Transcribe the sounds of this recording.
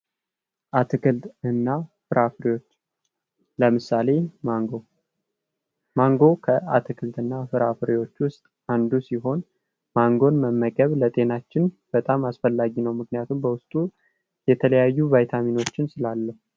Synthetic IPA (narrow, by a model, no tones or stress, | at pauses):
ʔat̪ʰɨkɨlt̪ɨnːafɨɾafɾot͡ʃː | ləmɨsale̞ɡo | maŋɡo̞kʰəat̪ʰɨkʰɨlt̪ɨnːafɨɾafɾiwo̞t͡ʃːwʊst̪ʼ | and̪usiɦo̞n | maŋɡo̞nməmːəɡʼəβlət̪ʼe̞nat͡ʃːɪn | b̥ət̪ʼamasfəlːaɡinəwmɨknijat̪ʰumbəwʊst̪ʼu | jɛt̪ʰələjajːuvajt̪ʰamino̞t͡ʃːɪnsɨlalːəhu